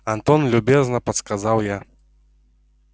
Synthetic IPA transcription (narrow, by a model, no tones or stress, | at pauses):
ant̪ɔnlʲubʲɛznɐpɐt̪skazawja